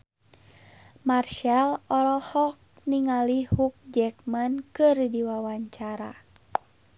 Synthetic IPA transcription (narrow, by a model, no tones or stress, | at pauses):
marʃalɔɾɔlhɔk̚ | niŋalihuk̚d͡ʒɛkmankɨrdiwawaɲt͡ʃaɾa̰